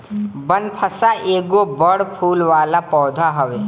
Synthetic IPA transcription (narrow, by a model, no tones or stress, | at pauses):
bənpʰəsaʔeːɡobəɽpʰuːlʋaːlapɔːd̪ʱaɦɐʋeː